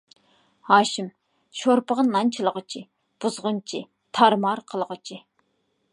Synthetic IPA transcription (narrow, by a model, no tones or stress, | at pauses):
hɑːʃɪm | ʃoɾpəʁənːɑnt͡ʃʰilˠəʁət͡ʃʰi | b̥uzʁʊnt͡ʃʰi | t̪ʰɑɾmɑɾqʰəlˠʁət͡ʃʰi